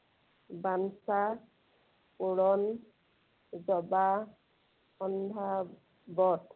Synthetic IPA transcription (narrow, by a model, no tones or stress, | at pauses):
bansa | puɽɔn | zɔba | ɔndʱa | bɔt